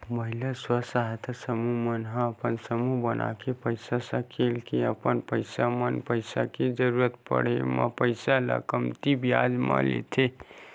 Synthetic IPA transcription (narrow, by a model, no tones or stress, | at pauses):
məɦilaswəsaɦt̪ʰasəmumənɦə̃əpənsəmubənʔa̰kepəɪsasəkʰelkiəpənpəɪsamənpəɪsaked͡ʒəɾuɾət̪pə̰ɽ̤ema̰pəɪsalə̰kəmt̪ibjad͡ʒma̰lḛt̪ʰe